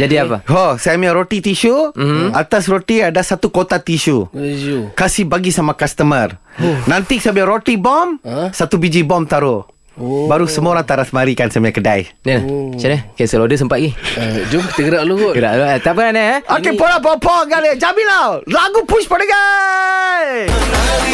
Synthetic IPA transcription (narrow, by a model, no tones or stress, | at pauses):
d͡ʒadiapaɦɔsajmiaɾot̪it̪iʃum̩at̪as̬rot̪iadasat̪ukot̪at̪iʃu | kasihbaɡisamakast̪əmərnãnt̪isabaɾot̪ibɔmsat̪ubid͡ʒibɔmt̪aɾo | baɾusəmuoɾaŋt̪aɾasmaɾikansamiãkəda̰jnənat͡ʃanəkasəlodəs̬əmpat̪̚ɡid͡ʒumkət̪əɡəɾaʔluɡuʔɡəɾaʔʔat̪apənanəokepɔlapɔpɔɡaləd͡ʒabilawlaɡupuspadaɡa | j